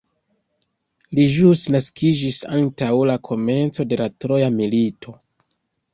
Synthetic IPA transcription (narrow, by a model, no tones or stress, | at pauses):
liʒustnaskʰid͡ʒisa̰ntawlakʰo̞me̞nt͡so̞de̞latɾo̞jamilitʰo̞